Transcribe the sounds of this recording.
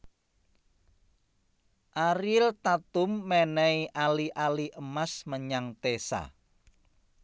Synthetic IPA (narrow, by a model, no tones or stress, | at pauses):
ʔaɾilt̪at̪ʊmːɛnɛiʔaliʔaliʔəmasməɲaŋt̪esa̰